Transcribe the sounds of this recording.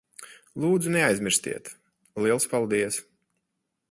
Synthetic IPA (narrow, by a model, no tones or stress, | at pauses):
lˠuːd̪zuneajzʲmʲiɾsʲt̪ʲḭɛt̪ | liɛlˠspalˠd̪iɛs